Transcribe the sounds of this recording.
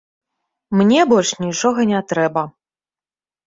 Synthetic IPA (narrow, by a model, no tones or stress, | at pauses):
mnʲɛbɔlʲʂnʲit͡ʂɔɣɐnʲɛt̪ɾɛbɐ